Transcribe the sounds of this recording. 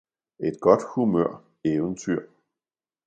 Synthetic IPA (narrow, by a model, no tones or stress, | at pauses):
e̝d̥̚ɡ̥ɒ̽d̥humøɐ̰ | eːʋənt͡sʰyɐ̰